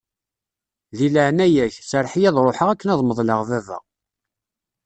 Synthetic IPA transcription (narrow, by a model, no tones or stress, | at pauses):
ðiləʕnæjæçsəɾˤħijæðˤɾˤoħəʁækːənɑðˤməðˤləʁðævæ̰